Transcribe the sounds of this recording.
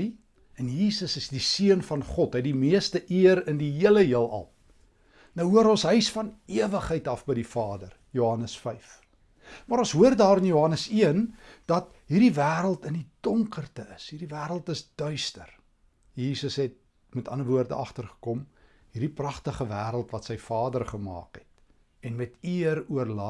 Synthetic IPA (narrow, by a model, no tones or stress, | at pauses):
i | ɛnjiːsəsəsdisiənfɐnχɔtɦɛjtdimiəstəʔiəɾəndiɦiələɦiəlˠɐ̰lˠ | mnəwɦuəɾɔ̃nsɦœɥsfɐniəvəχɦəjtɐfbəjdifɑːdərjoɦɐnəsfɛjf | mɐɾɔ̃nsɦuərdɑːɾənjoɦɐnəsiənd̥ɐt | ɦiːrdivæːɾəlˠtəndid̥ɔŋkərtəəsɦiːrdivæːɾəlˠtəsd̥œɥstər | jiːsəsɦɛt̚ | mɛtɐnəvuərdəɐχtərχə̥kɔm | hirdiprɐχtəχəvæːɾəlˠtvɐtsəjfɑːdərχəmɑ̰ːkɦɛt̚ | ɛnmɛtiəɾuərlɑ